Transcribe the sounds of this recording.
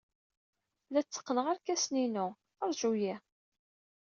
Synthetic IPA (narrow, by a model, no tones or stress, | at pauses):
læt͡sːə̥qːnəʁæɾkæsninʊ | əɾˤʒuji